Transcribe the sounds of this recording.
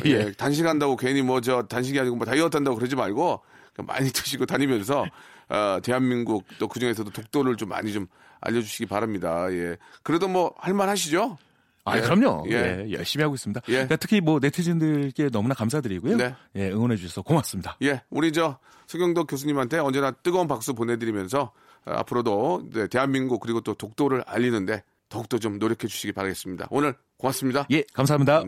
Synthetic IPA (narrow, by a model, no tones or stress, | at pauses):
jetanɕ̬ʰiɡɦandaɡokeɲimwʌt͡ɕʌtanɕ̬ʰiɡiɦaɲiɡomoʌtaiʌtʰandaɡokɯɾed͡ʑimaɭɡoka̰ma̰ɲitʰɯɕʰiɡotaɲimjʌns̬ʰʌʌte̞ɦanminɡuk̚t͈okɯd͡ʑuŋe̞sʰʌdotok̚t͈oɾɯɭt͡ɕomːa̰ɲit͡ɕom | a̰ʎːʌd͡ʑuɕʰiɡipaɾamɲidaje̞kɯɾe̞domwʌhaɭmanhaɕ̬ʰid͡ʑo | a̰kɯɾʌmɲo̰je̞ḛjʌ̰ɭɕ͈imiɦaɡois͈ɯmɲidaje̞katʰɯ̥kʰimwʌne̞tʰɯd͡ʑindɯk͈e̞nʌmunakams̬ʰadɯɾiɡujone̞je̞ɯŋwʌnɦe̞d͡ʑuɕʰʌsʰʌkomas͈ɯmɲidaje̞uɾid͡ʑʌ | sʰeŋɡjʌŋdokjos̬ʰuɲimɦantʰe̞ʌnd͡ʑe̞nat͈ɯɡʌunpak̚s͈upone̞dɯɾimjʌns̬ʰʌ | a̰pʰɯɾodoid͡ʑe̞te̞ɦanminɡukɯɾiɡot͈otok̚t͈oɾɯɾa̰ʎːinɯnde̞ | tʌuk̚t͈ot͡ɕomnoɾjʌkʰe̞d͡ʑu̥ɕʰiɡipaɾaɡe̞s͈ɯmɲida̰onɯɭ | komas͈ɯmɲidaje̞kams̬ʰaɦamɲida